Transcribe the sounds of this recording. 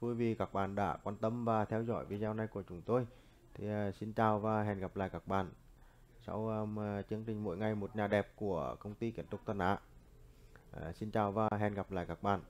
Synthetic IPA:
vu˧˩jvi˨˩kaː˧˩k̚ɓa̰ː˧˨nɗa̰ː˧˥kwaː˧nt̪ə˧mvaː˨˩t̪ʰɛ˧wzɔ̰˧˥jvḭ˧zaː˧wna˧˩jku˧˩ət͡ɕʊ˨˦ŋ͡mt̪o˧j | t̪ʰi˨˩˨si˧nt͡ɕaː˨˩wvaː˨˩ɦɛ˨˩nɣa˨˩p̚la̰ː˧˨jkaː˨˩k̚ɓa̰ː˧˨n | sa̰˧wt͡ɕɨ˧˦əŋt͡ɕï˨˩ŋ̟mo̰˧˥˦jŋa˨˩jmo˨˩t̚ɲaː˨˩ɗɛ˨˩p̚ku˧˩əkə˧wŋ͡mt̪i˧ki˧˩ənt̪ʊ˦˥k͡p̚t̪ʰə˧nʔa̰ː˧˥˨ | si˧nt͡ɕaː˨˩wvaː˨˩ɦɛ˨˩nɣa˨˩p̚la̰ː˧˨jkaː˨˩k̚ɓa̰ː˧˨n

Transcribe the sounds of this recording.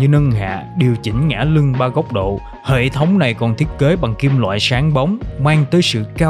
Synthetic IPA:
ɲɨ˧ŋə˧nha̰ː˧˨ɗi˨˩əwt͡ɕï˨˦ŋ̟ŋa̰ː˧˥lɨ˧ŋɓaː˧ɣə˦˥wk͡p̚ɗo̰˧˨ | hḛ˧˨t̪ʰə˨˦wŋ͡mna˨˩jkɔ˨˩nt̪ʰi˦˥ət̚ke˨˦ɓa˨˩ŋki˧əmlwa̰ː˧˨jsaː˨˦ŋɓə˨˦wŋ͡mmaː˧ŋt̪əː˨˦jsɨ̰˧˨kaː˧

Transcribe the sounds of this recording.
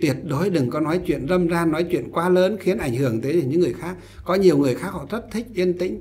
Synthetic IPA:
t̪i˦˩ət̚ɗo˨˦jɗɨ˨˩ŋkɔ˨˦nɔ˨˦jt͡ɕwḭ˧˨ənzə˧mzaː˧nɔ˨˦jt͡ɕwḭ˧˨ənkwaː˧ləː˨˦nxi˨˦ənʔa˧˩jŋ̟hɨ˧˩əŋt̪əː˨˦ə˨˧˩ɲɨ̰ː˧˥ɨ˨˩əjxaː˦˥k̚ | kːɔ˨˦ɲi˨˩əwŋɨ˨˩əjxaː˦˥k̚hɔ̰˧˨t̪ʰə˦˥t̚t̪ʰï˦˥k̟̚ʔi˧ənt̪ḭ̈˧˥ŋ̟

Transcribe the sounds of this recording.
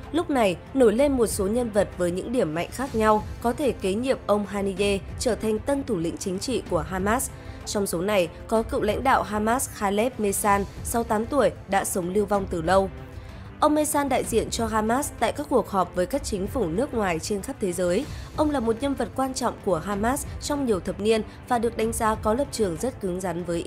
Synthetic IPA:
lʊ˦˥k͡p̚na˨˩jno˧˩jle˧nmo˨˩t̚so˨˦ɲə˧nvə˨˩t̚vəː˨˦jɲɨ̰˧˥ŋɗi˧˩əmːa̰˧˨jŋ̟xaː˦˥k̚ɲa˧wkɔ˨˦t̪ʰe˧˩ke˨˦ɲḭ˧˨əp̚ʔə˧wŋ͡mɦaː˧ni˧ɗe˧t͡ɕəː˧˩t̪ʰa˨˩jŋ̟t̪ə˧nt̪ʰu˧˩lḭ˧˥ŋ̟t͡ɕï˨˦ŋ̟t͡ɕḭ˧˨ku˧˩əɦaː˧maː˦˥s | t͡ɕɔ˧wŋ͡mso˨˦na˨˩jkɔ˨˦kɨ̰˧˨wla̰˧˥jŋ̟ɗa̰ː˧˨wɦaː˧maː˦˥sxaː˧lɛ˦˥p̚me˧saː˧nsa˧wt̪aː˨˦mt̪u˧˩əjɗa̰ː˧˥sə˨˦wŋ͡mli˧əwva˧wŋ͡mt̪ɨ˨˩lə˧w | ʔə˧wŋ͡mme˧saː˧nɗa̰ː˧˨jzḭ˧˨ənt͡ɕɔ˧ɦaː˧maː˦˥st̪a̰ː˧˨jkaː˦˥kːu˨˩ək̚hɔ˨˩p̚vəː˨˦jkaː˦˥k̚t͡ɕï˨˦ŋ̟fu˧˩nɨ˦˥ək̚ŋwaː˨˩jt͡ɕe˧nxa˦˥p̚t̪ʰe˨˦zəː˨˦jʔə˧wŋ͡mlaː˨˩mo˨˩t̚ɲə˧nvə˨˩t̚kwaː˧nt͡ɕɔ̰˧˨wŋ͡mku˧˩əɦaː˧maː˦˥st͡ɕɔ˧wŋ͡mɲi˨˩əwt̪ʰə˨˩p̚ni˧ən | vaː˨˩ɗɨ˨˩ək̚ɗa˨˦jŋ̟zaː˨˦kɔ˨˦lə˨˩p̚t͡ɕɨ˨˩əŋzə˦˥t̚kɨ˨˦ŋza˨˦nvəː˨˦jʔ

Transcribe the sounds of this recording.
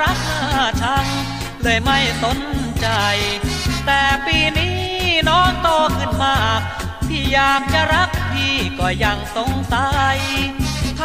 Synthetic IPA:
a˦˥k̚ʔaː˧˩t͡ɕʰa˦˥n | lɤː˧jma˥˩jso˨˦nt͡ɕa˧jt̪ɛː˨˩piː˧niː˦˥nɔː˦˥ŋt̪oː˧kʰɯ˧˩nmaː˧˩k̚ | t̪ʰiː˥˩jaː˨˩k̚t͡ɕa˧˨ɾa˦˥k̚t̪ʰiː˧˩kɔː˧˩ja˧˩ŋso˧˩ŋt̪a˧j | t̪ʰ

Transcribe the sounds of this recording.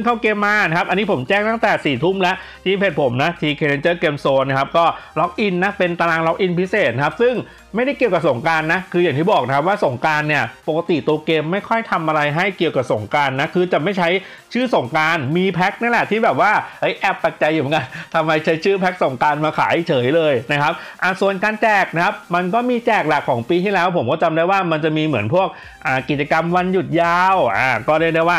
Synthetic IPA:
ɯ˥˩ŋkʰaː˥˩wkeː˧mːaː˧na˦kʰa˦˥p̚ʔa˧nːi˦˥pʰo˩˦mt͡ɕɛː˥˩ŋt̪a˥˩t̪ɛː˨˩siː˨˩t̪ʰu˥˩mlɛ˦˥ʔt̪ʰiː˥˩pʰe˨˩t̪̚pʰo˩˦mna˦˥t̪ʰiː˧kʰeː˧le˧nt͡ɕɤː˥˩keː˧msoː˧na˦˥kʰa˦˥p̚kɔː˥˩lɔ˦˥k̚ʔi˧nːa˦˥pe˧nt̪a˧laː˧ŋlɔ˦˥k̚ʔi˧npʰi˦˥seː˨˩t̪̚na˧kʰa˦˥p̚sɯ˥˩ŋ | ma˥˩jɾa˥˩jki˨˩əwka˨˩so˨˩˦ŋkaː˧nːa˦˥kʰɯː˧ja˨˩ŋt̪ʰiː˥˩bɔː˨˩k̚na˦kʰa˦˥p̚waː˥˩so˨˩˦ŋkaː˧nːi˥˩ɐpo˨˩ka˧t̪i˨˩t̪u˧ɐkeː˧mːa˥˩jkʰɔ˥˩jt̪ʰa˧mʔa˧ɾa˧jɦa˥˩jki˨˩əwka˨˩p̚so˨˩˦ŋkaː˧nːa˦˥kʰɯː˧t͡ɕa˨˩ma˥˩jt͡ɕʰa˦˥j | t͡ɕʰɯː˥˩so˨˩ŋkaː˧nmiː˧pʰɛ˦˥k̚na˥˩˨lɛ˨˩t̪ʰiː˥˩bɛː˨˩p̚waː˥˩ʔɤ˦˥jʔɛː˨˩pːa˨˩k̚t͡ɕa˧juː˨˩˦ŋka˧nt̪ʰa˧mːa˧jt͡ɕʰa˦˥jt͡ɕʰɯː˥˩pʰɛ˦˥k̚so˨˩ŋkaː˧nmaː˧kʰa̰ː˩˦jt͡ɕʰɤː˩˦jlɤː˧jna˦˥kʰa˦˥p̚ʔa˨˩su˨˩ənkaː˧nt͡ɕɛː˨˩k̚na˦˥kʰa˦˥p̚ma˧nkɔː˥˩miː˧t͡ɕɛː˨˩k̚la˨˩kʰːɔː˩˦ŋpiː˧t̪ʰiː˥˩lɛː˦˥wpʰo˩˦mkɔː˥˩t͡ɕa˧mdaː˥˩jwaː˥˩ma˧nt͡ɕa˨˩miː˧mɯ˩˦npʰu˥˩ək̚ | ʔaː˨˩ki˨˩t̪̚t͡ɕa˧ka˧mwa˧nju˨˩t̪̚jaː˧˩wʔaː˨˧˩kɔː˥˩ɾɯ˦˥˩daː˥˩jwaː˥˩

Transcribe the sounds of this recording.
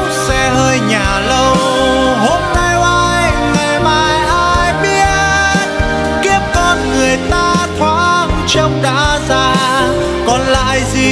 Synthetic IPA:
sɛ˧həː˧jɲaː˨˩lə˧w | ɦo˧mna˧jʔaː˧jŋa˨˩jmaː˧˩jʔaː˧jɓi˧˥ | ki˦˥əp̚kɔ˧˩nŋɨ˨˩əjt̪aː˧t̪ʰwa̰ː˧˥ŋt͡ɕə˧wŋ͡mɗa̰ː˧˥zaː˧ | kɔ˨˩nla̰ː˧˨jzi˨˩

